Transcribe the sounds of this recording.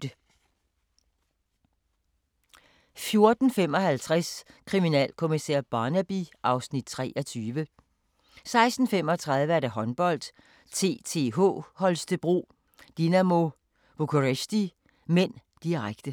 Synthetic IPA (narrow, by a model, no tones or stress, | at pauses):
ə | fjo̝ɐd̥n̩fem̰ɒ̽hælt͡sʰʁaskʰʁiminɛ̰ːlkʰo̝misḛɐ̰b̥ɑ̈ːnæb̥iʔɑ̈ʊsnid̥̚t͡sʰʁɛ̰ːʔɒ̽t͡sʰyːʋə | sɑ̈ɪsd̥n̩fem̰ɒ̽t͡sʰʁɑ̈ð̞ˠʋəæɐd̥æɦɒ̽nb̥ɒ̽l̰d̥ | t͡sʰe̝̰ːt͡sʰe̝̰ɦo̰hɒ̽lsd̥əb̥ʁo̝̰ː | d̥inæmo̝ | ʋokʰoʁesd̥i | men̰d̥iʁaɡ̥d̥ə